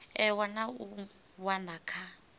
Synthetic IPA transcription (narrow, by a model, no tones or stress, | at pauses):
ɛwanau | wanakʰa